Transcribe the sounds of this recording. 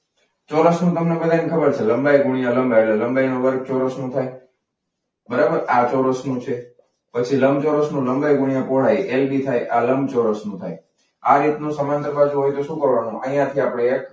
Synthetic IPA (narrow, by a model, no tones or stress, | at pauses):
t͡ʃɔɾəsnũt̪əmnebəd̪ʱankʰəbəɾt͡ʃʰeləmbajɡuɳ̃ijãləmbeʈleləmɡajnõbəɾek̚t͡ʃɔɾəsnũt̪ʰaj | bəɾabəɾat͡ʃɔɾəsnũt͡ʃʰe | pət͡ʃʰiləmbt͡ʃɔɾəsnũləmɡajɡuɽ̃ijãpoɽ̤ajʔelbit̪ʰajʔaləmbt͡ʃɔɾəsnũt̪ʰa̰j | aɾit̪nũsəmənt̪əɾpat͡ʃʰũɦojt̪oʃũkəɾʋanũʔə̃jãt̪ʰiapɽ̃eːk